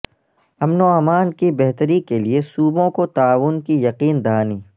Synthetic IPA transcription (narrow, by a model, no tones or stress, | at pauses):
ɐmnoaːmaːnkibɛɦt̪əɾikeliesuːbõkot̪aːʋʊnkijɐqiːnd̪aːniː